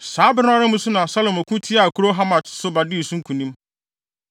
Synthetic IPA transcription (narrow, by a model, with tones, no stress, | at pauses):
saː˨˦bɪ˦ñ˦a˦ɾɪ˦mũ˦sʊ˦nã˨sa˦lo˨mɔ˨kʰũ˦tʰɪ˦a˨kʰu˨ɾo˦ɦa˦mḁ̃˨sʊ˦ba˨dɪ˦i˨sũ˦ŋ̩˦kʰũ˨nĩ˦m